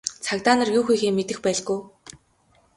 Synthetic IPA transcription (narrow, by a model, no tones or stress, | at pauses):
t͡sʰakt̪aːnə̆rjuːxuːxeːmet̪ɘ̆xpæːɮɡuj